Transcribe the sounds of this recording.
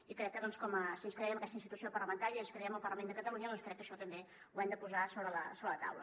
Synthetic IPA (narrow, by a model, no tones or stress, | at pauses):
ikɾɛk̚ːəðɔnskɔməsinskɾɛiəməkɛst̪əinst̪it̪usiopərləβəŋkaɾiəinskɾɛiəməlˠpərləmend̪əkət̪əlˠuɲəðɔnskɾɛkːəʃɔt̪əmbe | uɛmd̪əpuzasoβɾələsoβɾələt̪a̰wlə̰